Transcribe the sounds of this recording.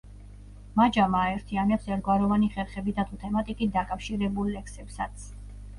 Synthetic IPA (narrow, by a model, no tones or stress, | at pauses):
mad͡ʒamaːɛɾt̪ʰianɛpsɛɾt̪ɡwaɾɔvaniχɛɾχɛbid̪ʰat̪ʰut̪ʰɛmat̪ʼikʼit̪̚d̪akʼafʃiɾɛbulːɛkʰsɛpsat̪sʰ